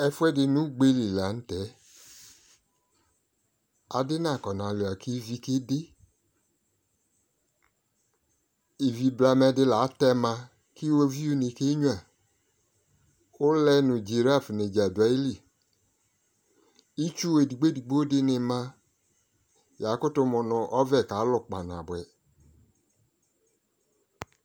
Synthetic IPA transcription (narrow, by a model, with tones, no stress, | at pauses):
ɛ˧fu˦ɛ˦dɪ˧nũ˨˦ɡ͡be˧li˨la˨˦n̩˦tɛ˨˦ | a˧dɪ˦na˦˨kɔ˨na˨lo˨a˨ki˦vi˧ke˦de˦ | i˨vi˧bla˧mɛ˧dɪ˧la˨˦tɛ˧mã˧ | ki˦wo˦vi˦u˦ne˧ke˦ɲũ˦a˨ | ʊ˦lɛ˧nʊ˨d͡ʒi˨ɾa˦˨fne˨d͡ʒa˨da˨˦i˦li˨ | i˦t͡ʃu˦we˨di˨ɡ͡be˦di˨ɡ͡bo˦dɪ˦nɪ˧mã˧ | ja˨˦kʊ˦tʊ˧˦mʊ˨nʊ˧ʔɔ˦vɛ˦˨ka˨˦lʊ˨k͡pa˨na̰˨bʊ˨ɛ˨